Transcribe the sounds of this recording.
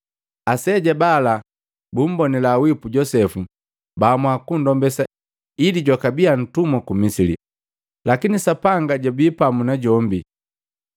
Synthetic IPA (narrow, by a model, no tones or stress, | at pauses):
asɛɟɛbala | bum̩bɔnɛlawipuɟɔsɛfu | baːmwakundɔmbɛsa | idiɟɔkabian̩tumakumisilḭ | lakinisapaŋɡaɟabiːpamunaɟɔmbi